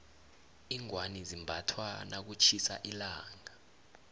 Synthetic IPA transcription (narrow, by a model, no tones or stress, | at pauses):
iŋwanizimbʱatʰwanak̬ut͡ʃʰisa̰ʔilaːŋa